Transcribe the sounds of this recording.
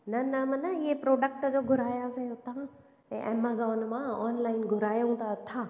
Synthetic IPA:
nɐnɐmɐnɐɪɦepɾoːɖək̚ʈd͡ʑoːɡʱʊɾaːjasẽʊt̪ʰã | ɛ̃ʔḛːmazɔːnmãɔːnlaːɪnɡʱʊɾaːjũt̪aɐt̪ʰaː

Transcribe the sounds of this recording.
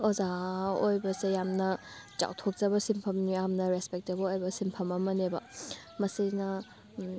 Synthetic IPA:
ozaojbɐsejamnɐ | t͡ʃa̰wtʰok̚t͡ʃɐbɐsimpʰɐmnijamnɐɾespek̚tɐbɐojbɐsimpʰɐmɐmɐnebɐ̰ | mɐsinɐ

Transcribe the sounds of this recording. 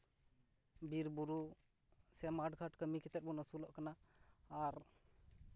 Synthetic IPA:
biɾbuɾu | sɛmaɖɡʰʱaʈkəmikʰit̪ɛbɔnəsulɔʔkanaː | ɾ

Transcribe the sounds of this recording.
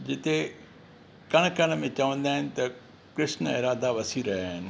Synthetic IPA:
d͡ʑɪt̪e | kɐɽ̃kɐɽ̃mẽt͡ɕɐʋə̃nd̪aːɦɪnɪ̆t̪ɐ | kɾɪʃnɪɾaːd̪aʋɐsiɾɐɦaːɦɪnɪ̆

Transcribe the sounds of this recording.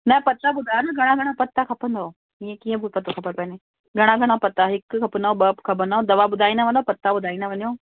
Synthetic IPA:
nɐpɐt̪ːabʊd̪ʱaːjonɐɡʱɐɽ̃ãɡʱɐɽ̃ãpɐt̪ːakʰɐpə̃nd̪oː | ijẽkiːə̃bʱɪpɐt̪ːoxɐbəɾpɐne | ɡʱɐɽ̃ãɡʱɐɽ̃apɐt̪ːaɦɪkkʰɐpənd̪aoɓɐpkʰɐp̬ə̃nd̪aɦõd̪ɐʋabʊd̪ʱaːĩnaʋɐ̃nd̪oːpɐt̪ːabʊd̪ʱaːinaʋɐnõː

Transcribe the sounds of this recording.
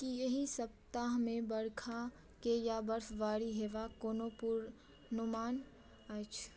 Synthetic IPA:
kijɐɦisɐp̚t̪aɦmẽbɐɽkʰã | kejabɐɾfʋaːɾiɦeːʋakoːnopʊɾ | nʊmaːn | at͡ʃʰ

